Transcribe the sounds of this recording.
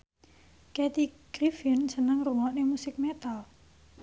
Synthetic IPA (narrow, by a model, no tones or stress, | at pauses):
kɛt̪iɡɾifinsənəŋruŋɔʔnemusɪk̚met̪al